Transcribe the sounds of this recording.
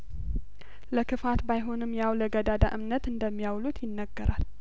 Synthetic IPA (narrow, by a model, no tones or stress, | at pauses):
ləkʰɨfat̪bajɦo̞nɨmːjawləɡəd̪ad̪a̰ʔɨmnət̪ɨnd̪əmːijawlut̪ʰjɪnːəɡːəɾʔal